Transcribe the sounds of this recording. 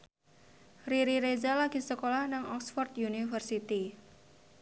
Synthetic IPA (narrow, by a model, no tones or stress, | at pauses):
riɾiɾezalaɡ̥i̤səkolahnaŋɔksfɔrt̪̚junifərsit̪i